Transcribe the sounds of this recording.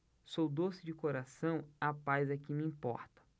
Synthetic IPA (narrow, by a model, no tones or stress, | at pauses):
sowd̪osɪd͡ʒɪkoɾasɐ̃w̃apajzɐkɪ̃miĩpɔ̰ɾt̪ɐ̥